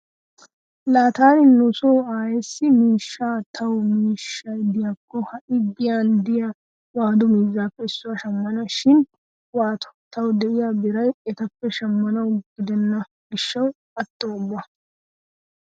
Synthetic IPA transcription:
laːt̪aːnɪnʊsoːaːjɛsːɪmiːʃːaːt̪ʰɐwmiːʃːɐjd̪ɪjakːɔhɐʔɪɡɪjaːnd̪ɪja | waːd̪ʊmiːzːaːpːɛɪsːʊwɐʃɐmːɐnɐʃɪn | waːt̪ɔ̥t̪ɐwd̪ɛʔɪjabɪɾɐjɛt̪ɐpːɛʃɐmːɐnɐwɡɪd̪ɛnːɐ | ɡɪʃːɐw | ɐt̪ʼːoːʊbːɐ

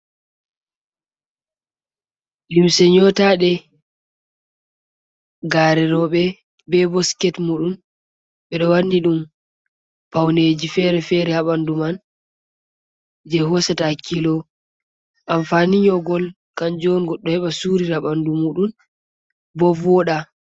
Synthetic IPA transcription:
limsɛɲɔtaɗɛ | ɡaːɾɛɾɔɓɛ | bɛbɔskɛtmuːɗun | ɓɛɗɔwanːdiɗum | pawned͡ʒifɛɾɛfɛɾɛhaɓanduman | d͡ʒɛɦɔsɛtakʰːilɔ | ʔamfaniɲɔɡɔl | kand͡ʒɔnɡɔɗːɔhɛɓasuɾiɾaɓandumuːɗun | bɔvɔɗa

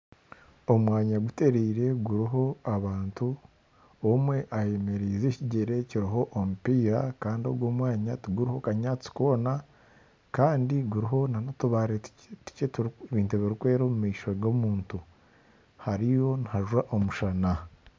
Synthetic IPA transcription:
omwaːɲaɡute̞ɾiːɾe̞ɡuɾiɦo̞aβaːntu | omwe̞ʔaje̞me̞ɾizeciɟe̞ɾe̞ciɾiɦo̞ʔomupiːɾakaːndiobɡwoːmwaːɲatuɡuɾiho̞kaɲaːt͡si̥koːna | kaːndiɡuɾiɦo̞nanotuβaːɾe | tu̥cetβiːntuβiɾukwe̞ːɾomumiːʃo̞ɡomuːntu | haɾijo̞nhaʒwaʔomuʃana

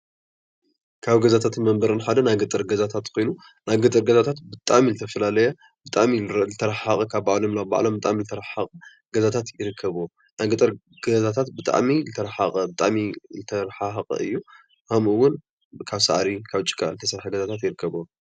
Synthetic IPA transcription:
kʰaβɡɐzat̪ʰat̪mɐmbɐɾɨnħad̪ɐnajɡɨt̪ʼɨɾɡɐzat̪ʰat̪kʰo̞jnu | najɡɨt̪ʼɨɾɡɐzat̪ʰat̪bɨt̪ʼaʕmilɨt̪ʰɐfɐlalɐjɐ | bɨt̪ʼaʕmizɨt̪ʰɐɾɐħaχʼɐkʰabbaʕlo̞mlaba̰ʕlo̞mbɨt̪ʼa̰ʕmizɨt̪ʰɐɾaħaχʼɐ | ɡɐzat̪ʰat̪jɪɾɨkʰːɐβo | najɡɨt̪ʼɨɾ | ɡɐzat̪ʰat̪bɨt̪ʼa̰ʕmilɨt̪ʰɐɾaħaχʼɐbɨt̪ʼa̰ʕmilɨt̪ʰɐɾħaħqʼɐ̰ʔɨjːu | hʰɐmɨwːʊn | kʰaβsaʕɾikʰaβt͡ʃʼːɪ̥kʼːa̰ʔlɨt̪ʰɐsɐɾħɐɡɐzat̪ʰat̪jɪɾɨkːɐβo

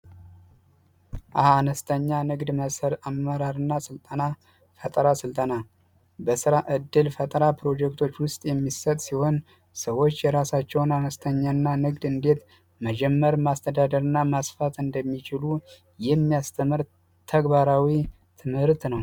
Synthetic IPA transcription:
ʔaanəst̪ʰəɲːanɨɡd̪məsəɾamːəɾaɾɨnːasɨlt̪ʼəna | fət̪ʼɾasɨlt̪ʼəna | bəsɨɾaʔɨd̪ːɨlfət̪ʼɾapʰɾo̞d͡ʒɛk̚t̪ʰo̞t͡ʃːwʊst̪ʼjɛmːisət̪ʼsiho̞n | səwo̞t͡ʃːjɛɾasat͡ʃːɛwnanəst̪ʰəɲːanːanɨɡd̪ɨnd̪e̞t̪ | məd͡ʒɛmːəɾmast̪ʰəd̪ad̪əɾɨnːamasfat̪ɨnd̪əmːit͡ʃɪlu | jɛmːijast̪ʰəmɨɾ | t̪ʰəɡbaɾawi | t̪ʰɨmhɨɾt̪nəw

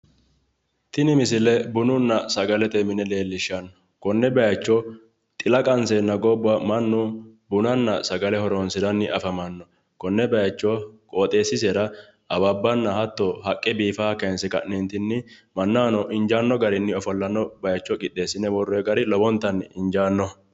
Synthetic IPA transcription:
t̪ɪnɪmɪsɪlɛbʊnʊnːɐsɐɡɐlɛt̪ɛmɪnɛle̞ːlːɪʃːɐn | kɔnːɛbɐjɐt͡ʃːɔ | t̪ʼɪlɐkʼɐnsenːɐɡɔbːɐmɐnːʊbʊnɐnːɐsɐɡɐlɛhɔɾoːnsɪd̪ɐnːɪʔɐfɐmɐnːɔ | kɔnːɛbɐjɐt͡ʃːɔkʼoːt̪ʼe̞ːsːɪseːɾɐ | ʔɐbabːɐnːɐhɐt̪ːɔhɐkʼːɛbiːfaːkɐnsɛkɐ̰ʔnent̪ɪnːɪmɐnːaːnɔʔɪnd͡ʒaːnːɔɡɐɾɪnːɪɔfɔlːɐnːɔbɐjɐt͡ʃːɔkʼɪɗe̞ːsːɪnɛwɔrːeɡɐɾɪlɔbɔnt̪ːɐnɪ̰nd͡ʒaːnːɔ

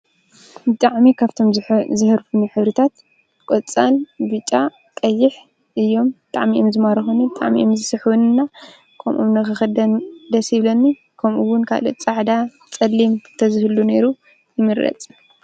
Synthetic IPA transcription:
bɨt̪ʼaʕmikʰaβt̪ʰo̞mzɨhɨɾfuniħɨβɾɨt̪ʰat̪ | kʼot͡sʼːanbɨt͡ʃʼːa | kʼɐjːɪħ | ʔɨjːo̞mbɨt̪ʼaʕmiʔomzɨmaɾɐxunibɨt̪ʼa̰ʕmḭʔomzɨsɨħwunɨnːa | kʰɐmʔo̰mnɐxɨxɐd̪ɐnd̪ɐsiβlɐnːi | kʰɐmʔuwʊnkʰa̰lot͡sʼaʕd̪a | t͡sʼɐlːimt̪ʰɐzɨhɨlːune̞ɾu | jɨmɨɾɾɐ̰t͡sʼ

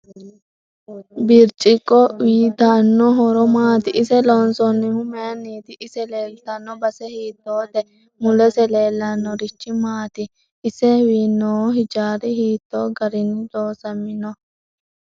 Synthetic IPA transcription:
bɪɾt͡ʃʼɪkʼːɔwiːt̪anːɔɦɔɾɔmaːt̪ɪʔɪsɛlɔnsɔnːɪhʊmɛɐnːiːt̪ɪʔːsɛleːlt̪ɐnːɔbɐsɛhiːt̪ːoːd̪ɛ | mʊlɛsɛleːlːɐnːɔɾɪt͡ʃːɪmaːt̪ɪː | sɛwiːnːoːɦɪd͡ʒaːɾɪhiːt̪ːoːɡɐɾɪnɪd̪oːsɐmːɪnɔ

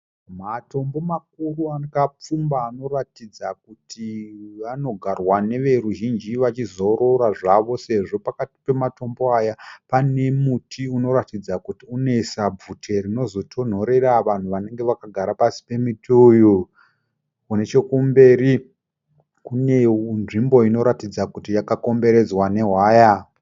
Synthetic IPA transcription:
mato̞mbo̞mak̚uruakap͡fumbaːno̞ratid͡zak̚utʰiʋano̞ɡʱarwane̞ʋe̞ruʒind͡ʒiʋat͡ʃizo̞ɾo̞ɾaʐaʋo̞se̞ʐo̞pakati̥pe̞mato̞mbo̞ajapane̞mutʰiuno̞ɾatid͡zakutiune̞sab͡vʱutʰe̞rino̞zo̞tʰo̞n̤o̞ɾe̞raʋan̤uʋane̞ŋɡe̞ʋakaɡʱaɾapasi̥pe̞mituju | une̞t͡ʃe̞kumbe̞ːɾi | kune̞nʐimbo̞ino̞ɾatid͡zakutijakako̞mbe̞ɾe̞d͡zwane̞ɦwaːja

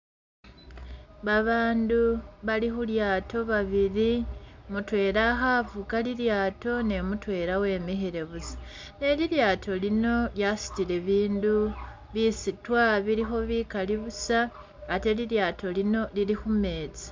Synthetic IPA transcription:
βaβaːnduβalixuljaːto̞βaβiɾimutwe̞ːɾaɦavukaliɾjaːto̞ne̞mutwe̞ːɾawe̞ːmihiɾe̞βuzḁ | ne̞ɾiɾjaːtʰo̞lino̞ljasi̥ciɾe̞βiːndu | βisitwaβiɾixo̞βiːkaliβusaː | te̞liɾjaːtʰo̞lino̞liɾixume̞ːt͡sḁ

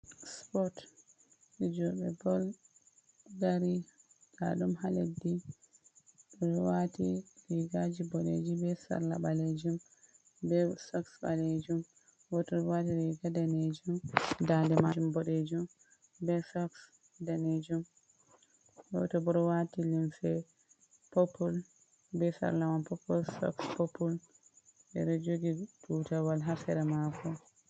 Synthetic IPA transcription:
spɔt | ɛd͡ʒɔbɛbɔl | ɡaɾi | ɡa̰ɗumhaledːi | ɗɔɔwatiliɡad͡ʒibɔɗḛd͡ʒibɛsa̰ɾlaɓaled͡ʒum | bɛsɔksba̰led͡ʒum | wɔtɔwatiɾiɡadaned͡ʒumdandɛmad͡ʒumbɔɗed͡ʒum | bɛsɔks | daned͡ʒum | ɔ̰tɔbɔɾɔwatilinfɛ | popːul | bɛsa̰ɾlamanpɔpːɔlsɔ̰kspopul | ɓɛ̰ɗɔd͡ʒoɡiduːtawalɦasɛɾɛmakɔ

